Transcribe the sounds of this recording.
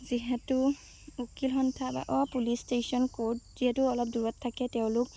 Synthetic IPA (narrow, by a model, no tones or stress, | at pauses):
ziɦɛtʊ | ukilxɔntʰaba̰ʔɔapulistesɔnkoɹt̚z̥iɦɛtʊɔlɔp̚duɹɔtʰːakɛtɛʊ̃lʊk̚